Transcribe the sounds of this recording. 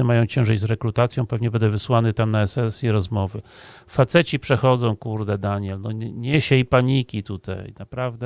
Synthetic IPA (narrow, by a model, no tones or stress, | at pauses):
ɘmajɔ̃w̃t͡ɕɛ̃w̃ʐɘd͡ʑzɾɛkɾut̪at̪sʲjɔ̃w̃pɛvɲɛbɛnd̪ɛvɘswanɘt̪amnaɛsɛsʲjiɾɔzmɔvɘ | fat̪sɛt͡ɕipʂɛxɔd̪zɔ̃w̃kuɾd̪ɛd̪aɲɛlnɔɲɛɕɛipaɲikʲit̪ut̪ʰa̰jnapɾavd̪ɛ